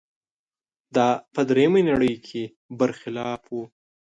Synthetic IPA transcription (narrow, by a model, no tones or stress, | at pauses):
d̪ɑpəd̪ɾejmenaɽəjkʰe | bəɾxɪlɑːfwu